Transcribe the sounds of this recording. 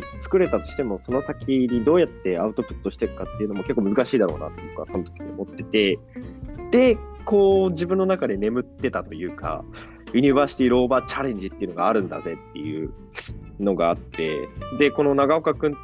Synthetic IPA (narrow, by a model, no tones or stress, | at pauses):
t͡sɨ̥kɯ̟ɾe̞t̪at̪o̞̥ɕi̥t̪e̞mo̞so̞no̞sakʲiɲ̟id̪o̞ːjat̪ːe̞aɯ̟t̪o̞pɯ̟̥t̪ːoɕi̥t̪ekɯ̟̥kat̪ːe̞iɯ̟no̞mo̞ke̞kːoːmɯ̟zɨkaɕiːd̪aɾo̞̰ːna̰t̪ːoiokɯaso̞not̪o̞kʲi̥ɲʲio̰mo̞t̪ːe̞t̪e̞ | d̪̥e̞ko̞ːd͡ʑibɯ̟̃nːo̞nakad̪e̞ne̞mɯ̟t̪ːe̞t̪at̪o̞jɯ̟ːka̰ | jiɲ̟iβaːɕi̥t̪iiɾo̞ːbat͡ɕaɾẽ̞ɲ̟d͡ʑit̪ːeiɯ̟no̞ɡaːɾɯ̟̃nd̪a̰ze̞t̪ːe̞jɯ̟̰ | no̞ɡaːt̪ːe̞̰d̪e̞ko̞no̞naɡao̞kakɯ̟̃n